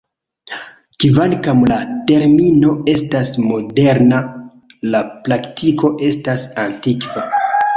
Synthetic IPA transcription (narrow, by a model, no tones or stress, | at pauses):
kvankamlate̞ɾmino̞e̞stasmo̞de̞ɾna | laplaktʰiko̞ʔe̞stasantikv̥a